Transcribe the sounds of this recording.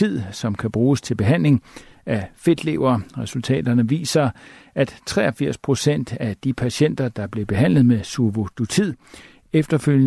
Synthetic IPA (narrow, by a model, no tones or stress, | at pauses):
ið̰ˠsɒ̽mkʰæb̥ʁuːst͡sʰe̝lb̥e̝ɦæn̰le̝ŋæfe̝d̥le̝ʊɐːʁɛsult͡sʰɛ̰ːd̥ɐnəʋḭːsɐæd̥t͡sʰʁɛ̰ːɐfiɐ̰spʰʁo̝sen̰d̥æd̥ipʰæɕen̰d̥ɐd̥ɑ̈b̥le̝b̥e̝ɦæn̰lð̞̩ˠmesuʋo̝d̥ot͡sʰið̰ˠ | efd̥ɐføl̰jə